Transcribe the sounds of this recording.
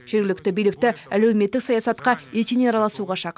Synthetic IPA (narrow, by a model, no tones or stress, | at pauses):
ʒ̥e̞ɾɡʲɪlɪk̚t̪ɪbijlɪk̚t̪ɪælewme̞t̪ːɪksɑjɑsɑt̪qɑe̞t̪ineɑɾɑlˠɑsuʁɑʃɑqɾ